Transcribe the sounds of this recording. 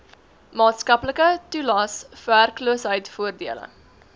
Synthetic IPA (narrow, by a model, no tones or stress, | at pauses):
mɑːtskɐpləkətulɑːsfærkluəsɦəjtfuərdiələ̰